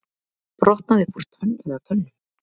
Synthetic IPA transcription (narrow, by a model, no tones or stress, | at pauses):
pɾɔht̪̚naðɪpur̥t̪œnɛðat̪ʰœlːʏ